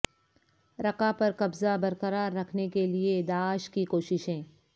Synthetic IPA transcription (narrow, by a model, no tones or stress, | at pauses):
ɾɐkapɐɾkɐbzabɐɾqɐɾaːɾːɐkʰnekelied̪aːʃkikoːʃɪʃẽː